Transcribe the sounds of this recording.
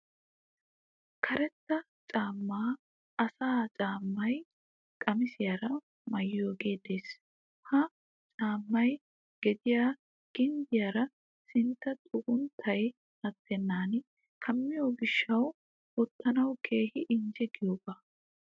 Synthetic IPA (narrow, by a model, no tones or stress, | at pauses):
kʰɐɾɛt̪ːɐ | t͡ʃʼaːmːaː | ɐsaːt͡ʃʼaːmːɐj | kʼɐmɪsɪjaːɾɐ | mɐjjo̞ːɡe̞ːd̪e̞ːs | hɐ | t͡ʃʼaːmːɐj | ɡ̥ɛd̪ɪjaː | ɡ̥ɪnd̪ɪjaːɾɐ | sɪnt̪ːɐt̪ʼʊʔʊnt̪ʰːɐj | hɐt̪ʰːɛnːaːn | kʰɐmːɪjoːɡɪʃːɐw | ɔt̪ːɐnɐwkʰe̞ːhɪʔɪnd͡ʒɛɡɪjoːbɐ